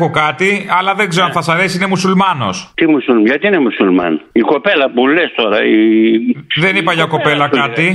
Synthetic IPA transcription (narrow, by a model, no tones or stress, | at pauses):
ɣokɐt̪iɐlɐðe̞ŋɡze̞ɾoɐnθɐsɐɾe̞siine̞musulmɐno̞̰st̪imusulʝɐt̪iinemusulmɐ̰niko̞pelɐpulest̪o̞ɾɐi | ðe̞nipɐʝɐko̞pe̞lɐkɐt̪i